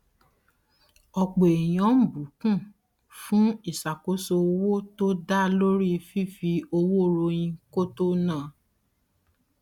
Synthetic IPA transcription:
ɔ˨k͡po˨e˨j̃ɔ̃˨˦m̩˦bu˨˦kũ˦˨ | fũ˦i˦˨sa˨ko˨˦so˧o˧wo˦to˦da˦lo˦ɾi˦˧fi˦˨fi˧o˧wo˦ɾo˧j̃ĩ˧ko˦to˦nãː˦˨

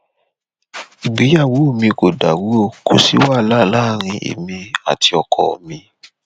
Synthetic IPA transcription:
i˨ɡ͡bi˨˦ja˦˨wo˨˦o˦˨mĩ˧ko˨da˨wo˨˦o˦˨kʰo˨si˨˦wa˦˨laː˦˨la˦ɾ̃ĩ˧ʔḛ˨mĩ˧a̰˨ti˧ɔ˧kʰɔ˨ɔ̰˨mĩ˧

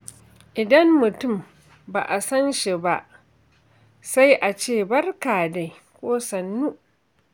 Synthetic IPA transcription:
ʔɪ˨dɐ˦mːʊ˨tʊ˦˨m | ba̰ː˨ʔa˨sɐ˦nʃi˨ba˦ʔ | sa˦jʔa˨t͡ʃeː˦˨bɐ˦rkaː˨da˨j | kʷoː˦sɐ˨nːuː˦

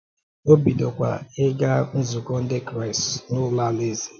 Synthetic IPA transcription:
o˦bi˨dɔ˨kʷa̰˨ɪ˦ɡa˦n̩˦zʊ˨kɔ˦n̩˦dɪ˦kɾa˨ɪ˨snʊ˦la˦le˦zi˨

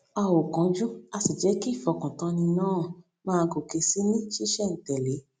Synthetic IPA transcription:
a˧˨wo˨kɔ̃˨d͡ʒũ˦a˧si˨d͡ʒɛ˨˦ki˦˨fɔ˨˧˨kã˨tã˧nĩ˧nãː˦˨ | mãː˦˧ɡo˨ke˧si˨˦nĩ˦ʃi˦ʃɛ˦˨n̩˨tɛ˨le˨˦

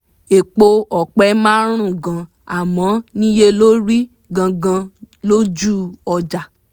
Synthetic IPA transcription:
e˨k͡po˧ɔ˨k͡pɛ˨˦mã˦ɾ̃ũ˦˨ɡã˧ | a˨mɔ̃˨˦nĩ˦je˦lo˦ɾi˦ | ɡã˧ɡã˧ | lo˦d͡ʒu˦˨ɔ˧d͡ʒa˨

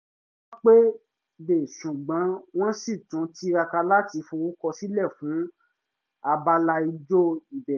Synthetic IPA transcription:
k͡pe˦ | be˨ʃũ˨ɡ͡bã˨˦w̃ɔ̃˦si˦˨tũ˨˦ti˦ɾa˧ka˧la˦ti˧fũ˧wu˦kɔ˧si˦lɛ˦˨fũ˨˦ | a˧ba˧la˧i˧d͡ʒo˦i˦˨bɛ˨

